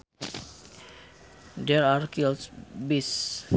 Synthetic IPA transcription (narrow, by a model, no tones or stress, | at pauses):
d̪eɾaɾkilsbis